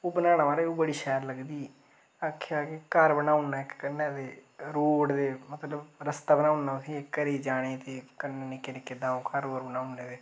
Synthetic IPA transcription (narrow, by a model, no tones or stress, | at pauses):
oːbənaːɽ̃ãːʋaːɾeoːbəɽiːʃɛːɾləɡd̪iː | akʰːjaːkɪkəɾbənãːʊnaːɪkːənːãːd̪eːɾoːɽd̪eːmət̪ləbɾəst̪aːbənaːʊnaːʊsĩːekːəɾeːd͡ʒaːɽ̃eːt̪eːkənːenɪkenɪkeːd̪ãːõːkəɾoːɾbənaːʊneːd̪eː